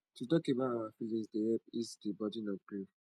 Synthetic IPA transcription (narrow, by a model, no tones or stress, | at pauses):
tutɔkebaaafilĩsdeɛpisdibɔdinɔɡi